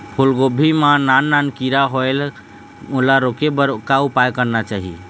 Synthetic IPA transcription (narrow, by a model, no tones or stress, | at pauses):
pʰulɡobʱimananːankiɾaɦoel | ulaɾokebəɾkaupajkəɾnat͡ʃaɦḭ